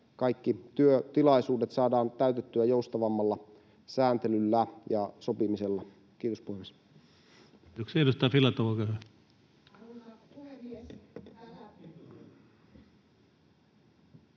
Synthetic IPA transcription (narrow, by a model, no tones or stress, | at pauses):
kɑikːit̪yøt̪ilɑisuːde̞t̪sɑːdɑːnt̪æyt̪et̪ːyæjoust̪ɑʋɑmːɑlːɑ | sæːnt̪elylːæjɑsopimiselːɑ | kiːt̪ospuhemis | t̪oksedust̪ɑːfilɑt̪oʋokøhø